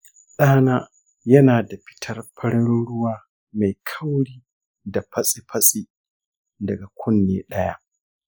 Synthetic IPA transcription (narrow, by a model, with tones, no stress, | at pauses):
ɗaː˦naː˦ | jɐ˦naː˨da˨ɸɪ̥˦tʰɐ˦rpʰɐ˦ɽɪ˦n˦ɽʊ˦waː˦ | ma˨jkʰɐ˦wɽiː˦ | da˨pɐ˦sʼi˦pʰɐ˦sʼi˦ | dɐ˨ɡa˨kʷʰʊ˦nːḛː˦ɗɐ˦ja̰˦ʔ